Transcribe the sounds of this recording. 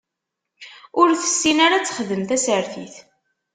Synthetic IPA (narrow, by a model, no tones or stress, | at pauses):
ʊɾθə̥sːinaɾat͡sːə̥χðəmθæsəɾθḭθ